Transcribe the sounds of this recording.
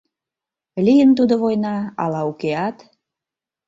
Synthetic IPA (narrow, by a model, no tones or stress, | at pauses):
lijənt̪ud̪oβojnɑɑ̰lɑukeɑt̪